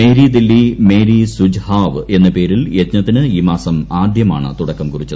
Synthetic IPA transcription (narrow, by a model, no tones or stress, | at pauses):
e̞ːɾid̪ilːime̞ːɾisud͡ʑhaːʋe̞nːɐpe̞ːɾiljet̪ɲɐt̪ːinɨiːmaːsɐmaːd̪ʱjɐma̰ːɳɨ̰t̪uɽɐkːɐmkurit͡ɕːɐ